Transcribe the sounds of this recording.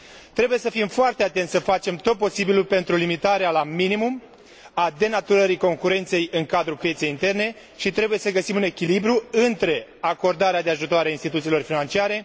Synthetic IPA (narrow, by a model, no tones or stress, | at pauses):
t̪ɾe̞buje̞səfimfoart̪eat̪e̞nt̪səfat͡ʃe̞mt̪o̞t̪̚po̞sibilupe̞nt̪ɾulimit̪aɾealaminimum | ad̪e̞nat̪uɾəɾiko̞ŋkuɾe̞nt̪se̞jɨŋkad̪ɾupjet̪se̞jint̪e̞rne̞ | ʃit̪ɾe̞buje̞səɡəsimune̞kʲilibɾuɨnt̪ɾe̞ako̞rd̪aɾead̪e̞aʒut̪oaɾeainst̪it̪ut̪silo̞rfinant͡ʃiaɾe̞